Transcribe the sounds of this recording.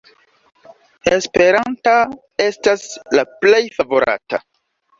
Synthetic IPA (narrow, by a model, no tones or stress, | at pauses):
e̞spe̞ɾanta | e̞staslaple̞jfavo̞ɾa̰ta̰